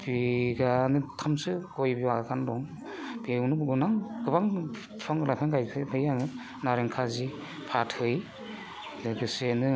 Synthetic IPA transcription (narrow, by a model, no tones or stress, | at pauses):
biɡanɯtʰamsɯɡɔjbiwakʰandɔŋ | b̥iwnɯɡunaŋɡɯbaŋ | pʰaŋlapʰaŋɡajkʰɯbɯjaŋɯ | naɾeŋkʰazi | pʰathɯj | lɯɡɯsenɯ